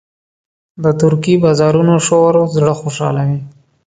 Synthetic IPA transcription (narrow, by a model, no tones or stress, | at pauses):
d̪ət̪ʊɾkibɑzɑɾunoʃoɾozɽəxoʃɑ̰lawi